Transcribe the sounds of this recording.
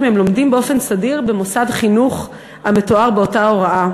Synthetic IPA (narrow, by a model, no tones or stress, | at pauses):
meemlo̞mdimbeo̞fe̞nsadiʁbe̞mosadχinuχ | ame̞to̞aʁbeo̞taoʁaa